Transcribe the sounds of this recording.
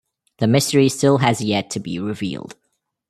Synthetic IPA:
ðəmɪstəɹistɪlˠəzjɛtʰəbḭɹɪvḭːlˠd̥

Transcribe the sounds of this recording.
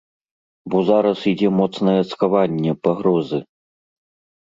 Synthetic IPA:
bɔzaɾɐsid͡zʲɛmɔt̪snɐjɛskavanʲːɛpaɣɾɔzɨ

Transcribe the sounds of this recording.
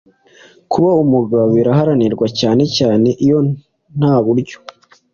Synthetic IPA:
kuβaumuɡaβiɾaɦaɾaniɾɡwacaːne̞caːne̞ʔijo̞ | n̥haːβuɾɟo̥

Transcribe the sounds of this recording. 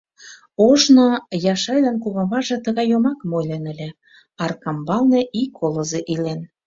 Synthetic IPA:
oʒnojɑʃɑjlɑnkuβɑβɑʒɤ̆t̪ə̆ɣɑjomɑkmojlenə̆lʲĕ | ɑrkɑmbɑlnĕʔikʰːolɤzeʔilen

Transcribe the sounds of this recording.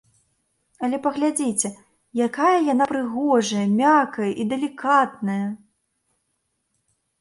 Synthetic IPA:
ɐlʲɛpɐɣlʲad͡zʲit͡sʲɛ | jakajɐjanapɾɨɣɔʐɐjɐmʲakɐjɐʔid̪ɐlʲikat̪̚nɐjɐ

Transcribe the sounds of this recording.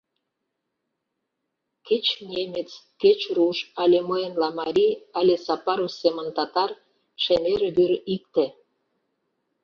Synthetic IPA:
ket͡ɕnʲemʲet͡s | ket͡ɕruʃɑlʲeməenlɑmɑɾʲiɑlʲesɑpɑɾosemə̆nt̪ɑt̪ɑr | ʃemʲeɾβyɾik̚t̪e

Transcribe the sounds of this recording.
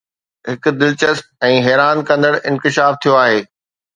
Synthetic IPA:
ɦɪk̆d̪ɪlt͡ɕəst̪̚ɛ̃ːɦɛːɾaːnkɐ̃nd̪əɽʔɪ̃nkɪʃaːft̪ʰijoaːɦeː

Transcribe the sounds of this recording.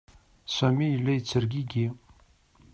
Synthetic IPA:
sæmijəlːæjət͡sːəɾɡiɡi

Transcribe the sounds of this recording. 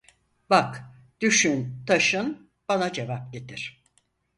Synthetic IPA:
bak | d̪̥yʃynt̪ʰaʃɯn | b̥anad͡ʒe̞vap̚ɟet̪ʰiɾ̥

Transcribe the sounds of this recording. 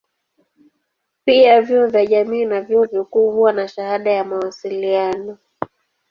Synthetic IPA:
piavjiɔvjaʄamiːnavjiɔvikuːhuwanaʃahaɗajamawasilianɔ

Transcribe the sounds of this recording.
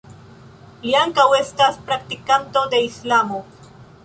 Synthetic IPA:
liaŋkawe̞staspɾak̚tikanto̞de̞islamo̞

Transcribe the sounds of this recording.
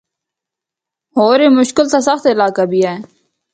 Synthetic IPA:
ɦoːɾeːmʊʃkɪlt̪asəxt̪ɪlaːkabʱiːɦɛː

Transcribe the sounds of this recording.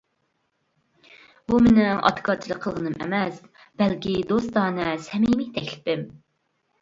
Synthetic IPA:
bumenɪŋɑ̰t̪ɨ̥kʰɑɾt͡ʃʰilˠəqʰːəlˠʁənɨmʔɛ̰mɛs | b̥ɛlkʲid̪ost̪ɑːnɛsɛmimit̪ʰɛkʲlɪ̥pɪm

